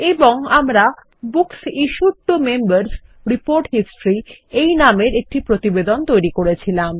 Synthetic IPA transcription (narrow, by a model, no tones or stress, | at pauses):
eboŋamɾa | buksiʃuʈːumembaɾs | ɾipoɾʈɦisʈɾiejnameɾek̚ʈipɾot̪ibed̪ont̪ojɾikoɾet͡ɕʰilam